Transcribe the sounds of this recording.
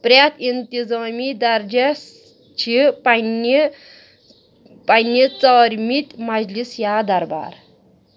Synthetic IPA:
pɾʲat̪int̪izamid̪aɾd͡ʒe | t͡ʃʰipani | panjit͡sɔɾmit̪mad͡ʑlisjad̪ɐɾba̰ɾ

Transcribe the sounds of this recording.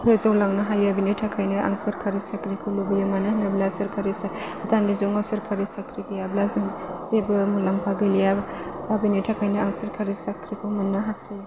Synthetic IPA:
pʰɾezɔwlaŋnɯɦajabinitʰakʰajnɯʔa̰ŋsɐɾkʰaɾisakɾikʰuwlubijamanɯnɐblasɐɾkʰaɾisa | atʰandizuŋɔsɐɾkʰaɾisakʰɾiɡijablazɯŋsebɯmulampʰaɡilijababinitʰakʰajnɐaŋsɐɾkʰaɾisakʰɾikʰuwmunːɯɦastʰaja

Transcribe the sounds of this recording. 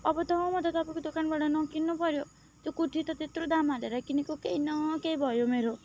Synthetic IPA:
ɔbɔt̪ɔɦɔmɔt̪ɔt̪apɔkud̪okanbaɽɔnɔkinːɔpɔɾjo | d͡ʒokuʈʰit̪ɔt̪et̪ɾod̪amaleɾakinekukeinɔkeibʱɔjomeɾo

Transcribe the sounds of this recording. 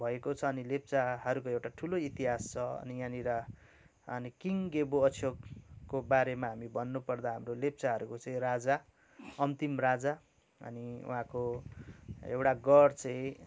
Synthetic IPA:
bʱʌekot͡sʰʌːnilep̚t͡saɦʌɾukoewʈaʈʰuloit̪iɦast͡sʰʌʌ̰nijãniɾa | ʌnikiŋɡeboʌsʰjokkːobaɾemaɦamibʌnːupʌrd̪aɦamrolept͡saɦʌɾukot͡saĩɾad͡za | ʌnt̪imrad͡za | ʌ̰niṵɦãko | ḛwʈaɡʌrt͡sʌĩ

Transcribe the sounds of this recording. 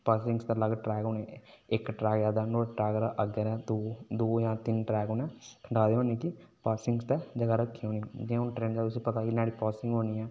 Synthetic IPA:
paːsɪ̃ŋɡst̪aləɡʈɾɛːkoːnɛekʈɾɛːɡaːd̪aːɳoːʈɾɛːɡɾaʔəɡəɾɛd̪od̪oːjãːt̪ɪnʈɾɛːɡoːnɛ̃kʰəɳɖaːd̪eɦoːnekipaːsɪ̃ŋɡst̪ad͡ʒəɡaɾəkʰːioːnĩd͡ʒĩʊnʈɾẽːnd͡ʒaːʊsepət̪akinaːɽipaːsɪ̃ŋɡɦoːniɛː

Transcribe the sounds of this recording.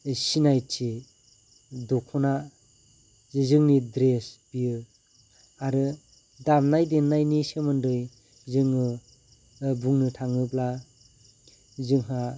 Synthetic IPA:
sinajti | dɔkʰɔna | zɯŋnidɾesbijɯ | aɾɯ | damnajdenːajnisemɯndɯj | zɯŋɯ | buŋnɯtʰaŋɯbla | zɯŋɦa

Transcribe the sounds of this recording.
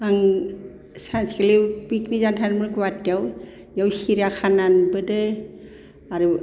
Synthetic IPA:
aŋ | sanskelibiknizantʰanmɯɾɡwatːjaw | jawsiɾakʰananbɯdɯ | aɾu

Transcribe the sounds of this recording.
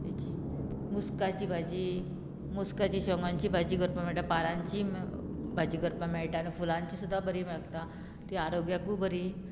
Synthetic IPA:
jḛt͡ɕi | muskat͡ɕiːbʱad͡ʑi | muskat͡ɕiːɕəŋɡãɲt͡ɕiːbʱad͡ʑiːɡəɾpəmeɭʈapaɾãɲt͡ɕiːbʱad͡ʑiːɡəɾpameɭʈaanifulãɲt͡ɕiːsud̪ʱːabəɾiːmeɭɡt̪a | t̪iaɾoɡjakubəɾi

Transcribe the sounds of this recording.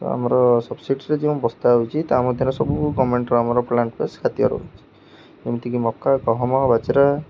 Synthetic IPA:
t̪ɔ̰a̰mɔɾɔsɔbsiʈɾed͡ʒeũbɔst̪aut͡ʃʰit̪amɔd̪ʱjɔɾɔsɔbukɔmeɳʈɾuamɔɾɔplaɳʈpʰeskʰat̪jɔ̰ɾɔ̰ut͡ʃʰi̥ | emit̪ʰikimɔkːakɔɦɔmabat͡ʃiɾa

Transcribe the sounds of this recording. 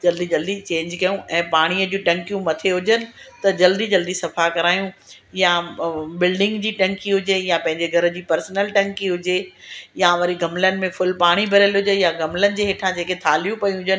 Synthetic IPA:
d͡ʑɐld̪id͡ʑɐld̪it͡ɕẽːɲd͡ʑkɐjũʔɛ̃ːpaːɽ̃iəd͡ʑũʈɐ̃ŋkijũmɐt̪ʰeɦʊd͡ʑənɪ̆t̪ɐd͡ʑɐld̪id͡ʑɐld̪isɐfakɐɾaːjũ | jabɪlɖɪ̃ŋɡd͡ʑiːʈɐ̃ŋkiɦʊd͡ʑejãpɐ̃ɦɪ̃ɲd͡ʑeɡʱɐɾə̆d͡ʑiːpɐɾsnəlʈɐ̃ŋkiɦʊd͡ʑejaʋɐɾiɡɐmlənɪ̆mẽfʊlpaːɽ̃ibʱɐɾəlɦʊd͡ʑənjaɡɐmlənɪ̆d͡ʑeːɦɪːʈʰãd͡ʑeːket̪ʰaːljũpɐjũɦʊd͡ʑən

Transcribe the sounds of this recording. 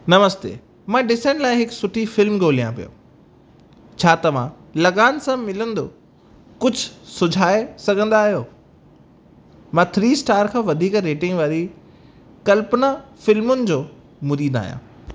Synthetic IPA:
nɐməst̪ḛː | mãːɖɪsãːnlaːɪ̃ɦɪksʊʈʰifɪlmɡoːlijã̰pḭjo̰ː | t͡ɕʰaːt̪ɐʋã̰ | lɐɣaːnsãmɪlə̃nd̪o̰ː | kʊd͡ʑʱʊsʊd͡ʑʱaːesɐɡʱə̃nd̪aːɦijoː | mãt̪ʰɾiːsʈaːɾkʰãːʋɐd̪ʱiːkɾeːʈɪ̃ŋɡʋaːɾi | kɐlpnafɪlmʊnɪ̆d͡ʑoː | mʊɾiːd̪a̰ːɦijã̰ː

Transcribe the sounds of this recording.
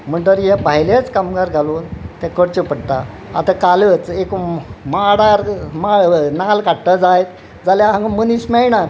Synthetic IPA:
m̤əɳt̪əɾjepaɦjlet͡skamɡaɾɡʱaluːnt̪ɛ̃kəɽt͡ɕəpəɽt̪a̰ | a̰t̪akalət͡sekmaɽaɾmanalkaɽʈ̪əd͡zajt̪ | d͡zaljaɦãŋɡaməniɕmɛɭɳa

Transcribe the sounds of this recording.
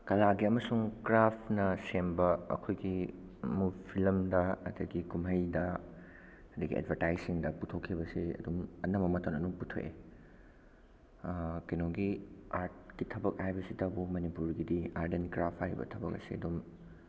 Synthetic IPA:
kɐlaɡiɐmɐsuŋkɾapʰnɐsembɐɐ̰kʰojɡimupʰilɐmdɐɐ̰dɐɡikumɦɐjdɐ | ɐdɐɡḭḛdbʱɐɾtajsiŋdɐputʰokʰːibɐsiɐ̰dumɐnɐmɐmɐtɐnɐduŋputʰo̰ʔḛ | kɐjnoɡiaɾt̚kitʰɐbɐk̚ajbɐsitɐbumɐnipuɾɡidiaɾdenkɾapʰaɾḭbɐ̰tʰɐbɐ̰k̚ɐ̰sḭɐ̰dum

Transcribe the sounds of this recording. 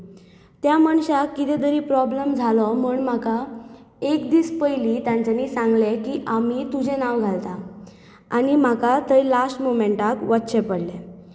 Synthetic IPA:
t̪jaməɳɕakːit̪ɛd̪əɾiːpɾɔbləmd͡zʱalɔməːɳm̤aka | ekd̪iːspəjlit̪jaɲt͡ɕaniːsãŋɡlekiʔam̤it̪ud͡ʑʱẽnaʋɡʱalt̪a | añim̤akat̪əjlasʈmomeɳʈakʋət̪ːɕepəɽle

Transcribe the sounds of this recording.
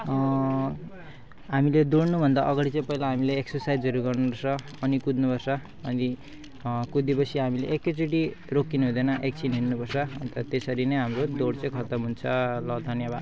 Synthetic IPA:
ɦamiled̪oɽnubʱʌnd̪aʔʌɡaɽit͡sʌ̃ĩpʌɦilaɦamileeksʌrsajd͡zʌɾuɡʌrnupʌrsʰʌ | ʌnikud̪nupʌrsʰʌ | ʌni | kud̪ipʌsʰiɦamilḛʔekːet͡siʈi | rokːinuɦũd̪ʌnʌʔek̚t͡sʰinɦinːupʌrsʰʌʌnt̪ʌt̪esʌɾinʌjɦamrod̪oɽt͡sʌ̃ĩkʰʌt̪ʌmɦunt͡sʰʌlʌd̪ʱʌnjabad̪

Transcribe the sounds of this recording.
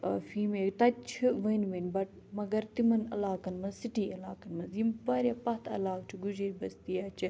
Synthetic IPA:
fiːmeːkt̪ɐt͡ʃʰiʋɐinʋɐnbɐʈ̚ | mɐɡɐɾt̪imɐnɐ̰laːkɐnmɐnzsiʈiːɐlaːkɐnmɐnzimbaːɾʲjaːpɐt̪ʰɐ̰laːk̚t͡ʃʰiɡud͡ʒiɾʲbɐst̪iːaːt͡ʃʰ

